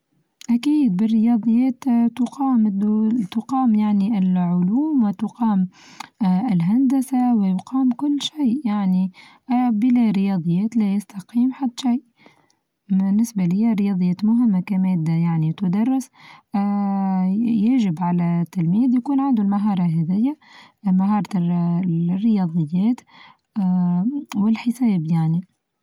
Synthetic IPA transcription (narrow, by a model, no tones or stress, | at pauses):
ʔakiːd̪̚bɪrːɪjɑːd̪ˤɨjːɛːt̪ʊqɑːmt̪ʊqɑːmjaʕniʔɪlʕʊluːmwɪt̪ʊqɑːm | ɪlɦand̪asawɪjʊqɑːmkʊlːʃiːʔjaʕni | bɪlæɾɪjɑːd̪ˤɨjːɛːt̪læjast̪ɑqiːmħad̪ːʃajʔ | bɪnːɪsbalɪjːaɾɪjɑːd̪ˤɨjːɛːt̪mʊɦɪmːakæmɛːd̪ːajaʕnit̪ʊd̪ɑrˤːɪs | jaʒɪbʕalæt̪ːalmiːd̪jakuːnʕand̪ulmaɦɑːɾˤɑɦɛðɪjːa | maɦɑːɾˤɑ | rːɪjɑːd̪ˤɨjːɛːt̪ː | wɪlħɪsɛːbjaʕni